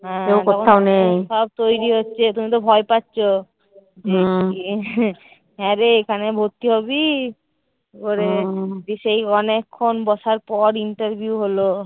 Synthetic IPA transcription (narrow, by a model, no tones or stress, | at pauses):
ɦɛ̃ewdoɛtkoaoneʃɔb̚t̪ojɾiɦotːɕʰet̪umit̪̬obʱɔepatːɕʰo | d͡ʑe | ɦɛ̃ɾeekʰanebʱoɾt̪ːiɦɔβi | koɾebiʃejɔnekʰːonbɔʃaɾpɔɾiɳʈaɾbʱiuɦolo